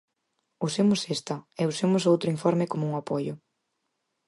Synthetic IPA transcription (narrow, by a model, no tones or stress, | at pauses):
usemʊsest̪ɐɛusemʊsowt̪ɾʊiɱfɔɾmɪkomʊuŋapojʊ